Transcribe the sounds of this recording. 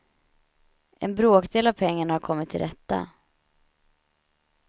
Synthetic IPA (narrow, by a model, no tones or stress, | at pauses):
ʔɛnbɾoːkd̪eːlavpʰɛŋːaɳahaɾkʰɔmːɪt̪ʰːɪ̰lɾʔɛt̪ːa̰